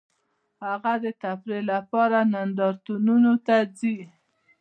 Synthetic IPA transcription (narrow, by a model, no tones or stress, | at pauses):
haɣad̪ət̪apɾelapɑɾanand̪ɑɾt̪ununot̪ad͡zi